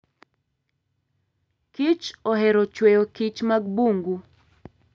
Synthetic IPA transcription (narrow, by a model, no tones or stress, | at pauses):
kit͡ʃɔɦɛɾɔt͡ʃwɛjokit͡ʃmaɡ̚buŋɡu